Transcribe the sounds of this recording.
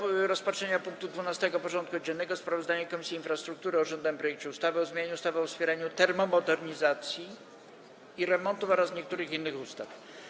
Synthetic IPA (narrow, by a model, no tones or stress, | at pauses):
ɾɔspatʂɛɲapuŋk̚t̪ud̪vunast̪ɛɡɔpɔʐɔnt̪kuɔd͡ʑɛnːɛɡɔspɾavɔzd̪aɲakɔmʲisʲjiːnfɾast̪ɾukt̪uɾɔʐɛnd̪aɛmpɾɔjɛkt͡ɕɛust̪avɘɔzmʲeɲeɲust̪avɘɔfspʲjɛɾaɲut̪ɛɾmɔmɔd̪ɛɾɲizat̪sʲjiː | ɾɛmɔnt̪ufɔɾasɲɛk̚t̪uɾɘxinːɘxust̪af